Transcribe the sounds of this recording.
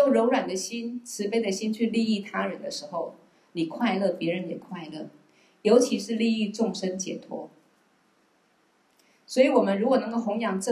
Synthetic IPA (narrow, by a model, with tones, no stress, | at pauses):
o˥˩ʊɻo˧˥ʊɻwa˨˩nd̪ə˦ɕi˥nʈ͡ʂʰɻ̩˧˥pe˥ɪd̪ə˨ɕi˥nt͡ɕʰy˥˧li˥˧i˥˩t̪ʰa˥ɻə˧˥˦nd̪ə˧ʂɻ̩˧˥xo˥˨˩ʊ | ni˨˩kʰwa˥˧ɪlɤ˥˩pjɛ˧˥ɻə˧˦njɛ˨˩kʰwa˥˧ɪlɤ˥˩ | jo˧˥ʊt͡ɕʰi˧˥ʂɻ̩˥˧li˥˧i˥˧ʈ͡ʂʊ˥˩ŋʂə˥nt͡ɕjɛ̰˨˩t̪ʰwɔ̰˥ | swɔ˧˥i˨˩wɔ˨˩mə˦nɻu˧˥kwɔ˨˩nɤ˧˥ŋko˥˩ʊxʊ˧˥ŋjɑ˨˩ŋʈ͡ʂɤ˥˧